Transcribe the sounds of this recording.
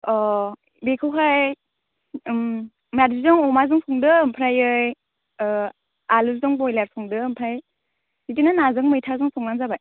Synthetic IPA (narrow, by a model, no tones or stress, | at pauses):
ɔ | bekʰɯwɦaj | m | madzizɔŋɔmazɯŋsʰɔŋdɯːmpʰɾajɯj | aluszɔŋbɔjlaɾsʰɔŋdɯɯmpʰɾaj | sitinɯnazɯŋmɯjtʰazɯŋsʰɔŋnanzabaj